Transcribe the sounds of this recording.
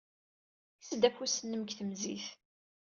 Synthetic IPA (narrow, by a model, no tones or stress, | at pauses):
səd̪æfusənːəmkθəmziθ